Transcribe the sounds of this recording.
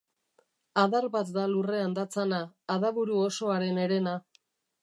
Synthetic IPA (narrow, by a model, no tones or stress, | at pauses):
aðaɾβat̪d̪alure̞and̪at͡sanaːðaβuɾuo̞so̞aɾe̞ne̞ɾe̞na